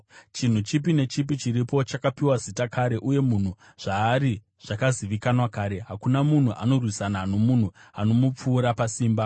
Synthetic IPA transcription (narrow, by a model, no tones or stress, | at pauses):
t͡ʃin̤ut͡ʃip̬ine̞t͡ʃip̬it͡ʃiɾipo̞t͡ʃakapiwazitakaɾe̞ʔuje̞mun̤u | ʐ̥aːɾi | ʐ̥akaziʋikanwakaːɾe̞ɦakunamun̤uʔano̞rwisanano̞mun̤uano̞mup͡fuːɾapasiːmba